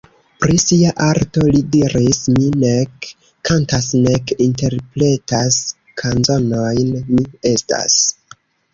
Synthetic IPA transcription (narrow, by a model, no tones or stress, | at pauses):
pɾisiaʔaɾto̞lidiɾisminekː | antasnekinte̞ɾpɾe̞tas | kʰanzo̞no̞jnmie̞sta̰s